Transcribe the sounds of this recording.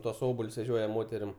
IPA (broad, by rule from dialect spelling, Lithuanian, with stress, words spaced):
ˈtuɔs ˈoːbɐlʲs ʋʲɛˈʒʲoːjɛ ˈmoːtʲɛrʲɪm